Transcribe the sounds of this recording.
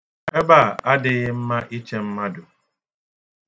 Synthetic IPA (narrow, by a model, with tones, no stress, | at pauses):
e˦ba˦˨a˦dɪ˨ɣɪ˦m̩˦ma˦ʔi˦t͡ʃe˦m̩˦ma˦dʊ˨